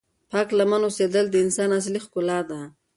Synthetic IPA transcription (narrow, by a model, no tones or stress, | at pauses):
pɑklamanosed̪əld̪əɪnsɑnas̬lixkʊlɑd̪a